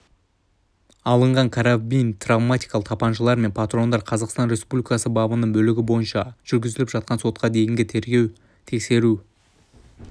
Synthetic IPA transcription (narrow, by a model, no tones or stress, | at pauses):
ɑlˠəɴʁɑɴkʰaɾabijnt̪ravmat̪ʲijkɑlˠəqt̪ʰɑpɑnʃəlˠɑɾme̞npʰat̪ro̞nd̪ɑɾqʰɑzɑqst̪ɑnɾʲe̞spublʲijkɑsəbɑbənəɴbɵlɪɡʲɪbo̞jənʃɑʒ̥ʏɾɡʲɪzɪlɪpʒ̥ɑt̪̚qɑnso̞t̪̚qɑd̪e̞jɪŋɡʲɪt̪ʰeɾɡʲe̞w | t̪ʰe̞kse̞ɾu